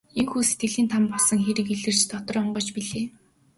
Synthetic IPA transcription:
eŋxuːse̥t̪ɡɘ̆ɮiːnt̪ʰampɔɮsɞ̆ŋxeɾɘ̆kiɮɘ̆r̥t͡ɕt̪ʰɔt̪ɞ̆rɔɴɢɞ̆t͡ɕpiɮeː

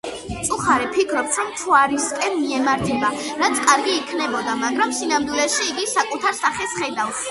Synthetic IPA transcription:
t̪sʼuχaɾɛpʰikʰɾɔpsʰɾɔmt̪ʰuaɾiskʼɛnmiɛmaɾt̪ʰɛbaɾat̪sʰkʼaɾɡiːkʰnɛbɔd̪amaɡɾamsinamd̪wilɛʃiːɡisakʼut̪ʰaɾsaχɛsχɛd̪afs

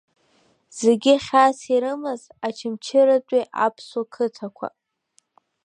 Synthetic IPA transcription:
z̥eɡʲɪχʲasiɾɨmazat͡ʃʰɪmt͡ʃʰɪɾatʷʼiʔa̰pʰswakʰɨtʰakʷʰa̰

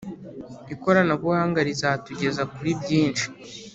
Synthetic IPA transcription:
iko̞ɾanaβuhaːŋɡaɾizatuɟe̞zakuɾibɟiːnt͡ʃi̥

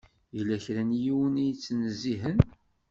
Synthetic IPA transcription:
jilːæçɾænjiwənijt͡sːnəzːiɦən

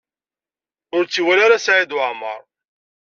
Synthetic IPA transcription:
ʊɾt͡sːiwælaɾasʕid̪wʕmə̰ɾˤ

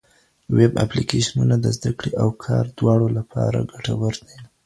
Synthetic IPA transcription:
wɪba̰plikeʃanunad̪əzd̪akɽeʔawkʰɑɾd̪wɑɽolapʰɑɾa̰ɡaʈawəɾd̪a

